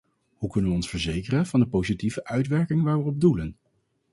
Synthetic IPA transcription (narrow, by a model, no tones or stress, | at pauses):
hukɵnənʋəɔnsfəɹzejkərənv̥ɑndəpowzitivəʔœɥtʋɛɹkɪŋʋaːɹʋəɔb̚dulən